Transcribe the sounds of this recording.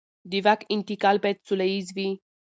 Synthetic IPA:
d̪ivakint̪ikalpɛt̪suleizvi

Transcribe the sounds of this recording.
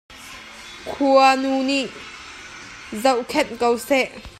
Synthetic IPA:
kʰuanuniʔ | zɐwʔkʰɛt̚kəwsɛʔ

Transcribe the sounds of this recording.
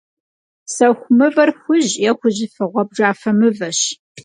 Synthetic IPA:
sɐxʷʊmɨvɐrxʷʊʑjɛxʷʊʑɪfɨʁʷɔb̚ʒaːfɐmɨvɐɕ

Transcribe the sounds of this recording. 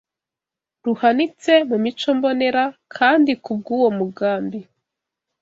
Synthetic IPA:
ɾuhanit͡se̞mumit͡ʃo̞mbo̞ne̞ɾakʰaːndikub̚ɡuːwo̞muɡaːmbi

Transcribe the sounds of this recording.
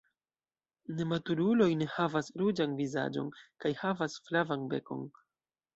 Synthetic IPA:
ne̞matuɾulo̞jne̞havasɾud͡ʒanviza̰d͡ʒo̞̰nkajhavasflavanbe̞ko̞̰n

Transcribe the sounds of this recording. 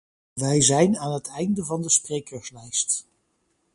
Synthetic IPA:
ʋɛjzɛjnaːnɦətʰɛjndəvɑndəsprejkəɹslɛjst

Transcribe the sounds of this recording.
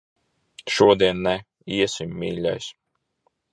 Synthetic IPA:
ʃuɔd̪iɛnːæ | iɛsimːiːlʲa̰js

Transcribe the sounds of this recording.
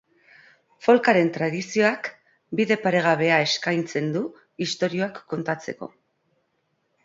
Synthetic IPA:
fo̞lkaɾe̞nt̪ɾað̞isio̞ak | biðe̞paɾe̞ɣ̞aβ̞e̞ae̞skajnt͡se̞nd̪u | ist̪o̞ɾio̞akːo̞nt̪at͡se̞̰ko̞̰

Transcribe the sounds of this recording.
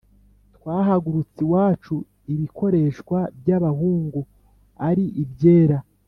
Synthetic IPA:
t̪waːɦaɡuɾut͡siwaːt͡ʃu | iβiko̞ɾe̞ʃkwabjaβahuːŋɡu | aɾiʔibje̞ːɾa

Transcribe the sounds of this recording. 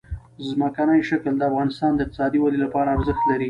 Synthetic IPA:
zməkanajʃakld̪əafɣɑnɪst̪ɑnd̪əɪq̚t̪ɪ̥sɑd̪iwalilapɑɾaːɾzəxt̪laɾi

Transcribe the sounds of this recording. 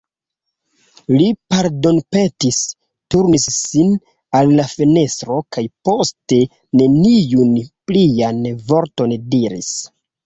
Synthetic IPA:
lipaɾdo̞npe̞tis | tuɾnisːin | alːafene̞stɾo̞kajpo̞ste̞ | ne̞nijunplianvo̞ɾto̞ndiɾḭs

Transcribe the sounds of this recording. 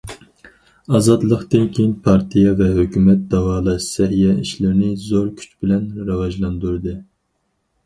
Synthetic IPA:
ɑzɑt̪lˠəqt̪ɨnkʲʰejinpʰɑɾt̪ʰijɑvɛɦøkʲymɛt̪̚d̪ɑwɑːlˠɑʃsɛɦijɛiʃlɪɾnɪzoɾkʲʰy̥t͡ʃbɪlɛnɾɨvɑʒlˠɑnd̪uɾɨd̪ɨ

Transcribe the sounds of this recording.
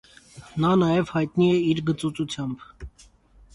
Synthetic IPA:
nɑnɑjɛvhɑjt̪niɛiɾɡət͡sut͡sut͡sʰjɑmb

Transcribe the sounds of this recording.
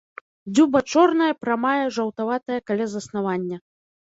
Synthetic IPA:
d͡zʲubɐt͡ʂɔrnɐjɐpɾamajɛʐɐwt̪avat̪ɐjɐkalʲazɐsn̪avanʲːɐ

